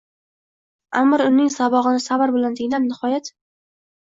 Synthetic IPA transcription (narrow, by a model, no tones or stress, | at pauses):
amːɒɾʊnɪŋsabɒʁɨnɪsabaɾbɪlant̪ʰɪŋʲlannɪhɒjat̪